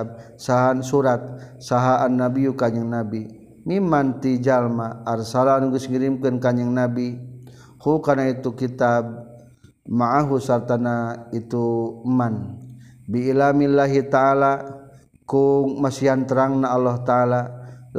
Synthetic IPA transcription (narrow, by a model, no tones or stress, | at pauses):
b̚ | saɦansuɾat̪̚saɦaanːabiukaɲəŋnabi | mimant̪id͡ʒalmaːrsalanuɡusŋiɾimkənkaɲaŋnabi | hukarnait̪ukit̪ab̚ | maʔaɦusart̪anait̪uman | biːlamilːaɦit̪aala | kuŋmasiant̪əɾaŋnaalːaht̪aala